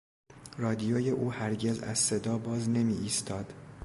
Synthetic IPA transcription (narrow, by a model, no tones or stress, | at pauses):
rɒːd̪ijoːje̞ʔuːhæɾɟe̞zæ̰zse̞d̪ɒːbɒːzne̞miʔiːst̪ʰɒːd̪̥